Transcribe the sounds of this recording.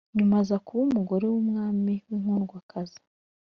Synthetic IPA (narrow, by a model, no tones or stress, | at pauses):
ɲumazakuβumuɡo̞ɾe̞wumŋaːmiwiŋ̥uːnɡwakʰazi̥